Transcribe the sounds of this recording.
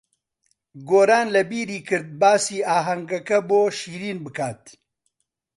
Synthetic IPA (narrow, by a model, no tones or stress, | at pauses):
ɡoːɾaːnlɐbiːɾiːkʰɨɾd̪̚baːsiːʔaːɦɐŋɡɐkɐboːʃiːɾiːnbɨkʰaːt̪̚